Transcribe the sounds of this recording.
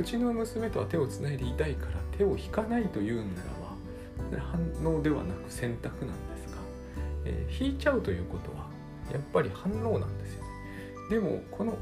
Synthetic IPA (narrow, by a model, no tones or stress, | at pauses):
ɯ̟t͡ɕino̞mɯ̟sɨme̞t̪o̞βat̪e̞o̞t͡sɨnaid̪e̞it̪aikaɾat̪ʰe̞o̞çi̥kanait̪o̞jɯ̟ːnaɾa̰βa | hãnːo̞ːd̪e̞βa̰nakɯ̟̥sẽ̞nt̪akɯ̟nã̰nd̪e̞sɨ̥ɡ̥a | ḛːçiːt͡ɕaɯ̟t̪o̞jɯ̟ːko̞t̪o̞̰βa | japːaɾʲihãnːo̞ːnã̰nd̪e̞sɨ̥jo̞ne̥ | d̪e̞mo̞̰kʰo̞no̞